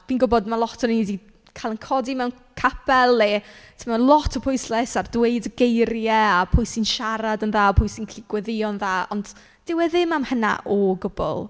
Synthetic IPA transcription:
viːnɡʊbɔdmalˠɔtʰɔnidi | kʰalˠənkʰɔdimɛwn | kʰapɛlˠːɛtʰəmalˠɔtʰɔpʰʊjslɛsardweɨdəɡejɾjɛapʰʊjsinʃaɾadənðaːpʰʊjsinkʰl̥ɪɡ̥wɛðɪɔnðaːɔnd̥ | d̥ɪwɛðɪmamhəna̰ʔɔɡʊbʊ̰lˠ

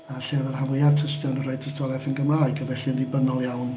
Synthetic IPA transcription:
aɬɛvɛrhavʊjartʰəstjɔnərɔɨd̚tʰəstʰɔlˠɛfənɡəmraːɨɡəvɛɬiənvɪbənɔlˠjawn

